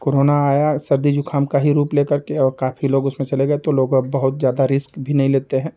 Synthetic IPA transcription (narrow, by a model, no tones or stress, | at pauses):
koːɾoːnaaːjasɐɾd̪id͡ʒʊkʰaːmkaɦiɾuːpleːkɐɾkeɔːɾkaːfʰiloːɡʊsmẽt͡ʃɐleɡɐet̪oloːɡbɐɦʊt̪zjaːd̪aɾɪskbʱinɐɦĩleːt̪eɦɛ̃ː